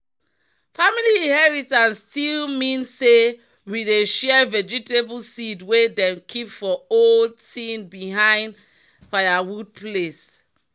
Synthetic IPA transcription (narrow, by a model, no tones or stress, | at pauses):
familiĩnhɛɹitãnsːtilmĩnse | wideʃɛvɛd͡ʒiteblsidwedɛ̃mkʰipfɔoldtĩnbiɦãɪ̃nd | faɪawud̚ples